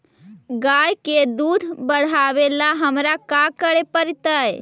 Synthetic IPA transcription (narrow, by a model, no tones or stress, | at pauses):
ɡajked̪ud̪ʱbəɽ̤aʋelaɦəmɾakakəɾepəɾt̪əj